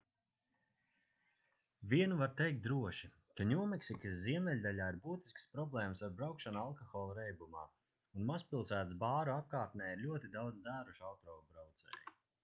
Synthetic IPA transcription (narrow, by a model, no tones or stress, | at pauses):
vʲiɛnuvaɾt̪ejk̚t̪̚d̪ɾuɔʃi | kaɲʲuɔmɛksikɨsziɛmʲɛlʲd̪alʲaːiɾbuːt̪i̥skspɾɔblˠɛːməsaɾbɾawkʃanualˠkɔxɔːlˠuɾɛjbuma̰ː | unmaspʲilˠsæːt̪sbaːɾuap̚kaːɾt̪nɛːjiɾlʲuɔt̪id̪awd̪zæːɾuʃalt̪ɾɔːvbɾawt̪sɛ̰ːju